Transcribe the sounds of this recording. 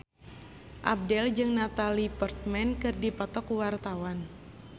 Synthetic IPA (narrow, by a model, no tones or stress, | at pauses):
ʔa̰b̚dɛld͡ʒɨŋnat̪alipɔrt̪̚mɛnkɨrdipɔt̪ɔkwart̪awan